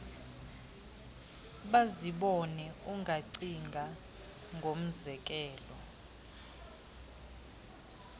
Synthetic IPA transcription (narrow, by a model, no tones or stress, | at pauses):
ɓaziɓɔnɛuŋɡʱaǀiŋɡʱa | ŋɡʱom̩zɛk̬ʼɛːlɔ